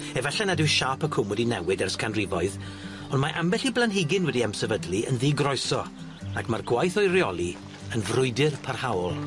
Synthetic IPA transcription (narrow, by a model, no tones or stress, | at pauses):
ɛvɛɬɛnadɪwʃaːpʰəkʰʊmwɛdinɛwɪdɛrskʰanrɪvɔɨð | ɔndmaʔambɛɬiblˠanɦɪɡɪnwɛdiamsɛvədlˠiə̰nðiːɡrɔjsɔ | akmarɡwajθɔjrjɔlˠi | ənvrʊɨdɪrpʰarhawɔlˠ